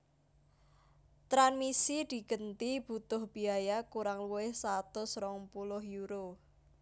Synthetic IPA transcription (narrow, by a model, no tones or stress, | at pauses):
t̪ɾanmisid̪̥i̤ɡ̥ənt̪ib̥ut̪ʊhb̥i̤ajakuɾaŋluwɪhsat̪ʊsɾɔŋpulʊhjuɾo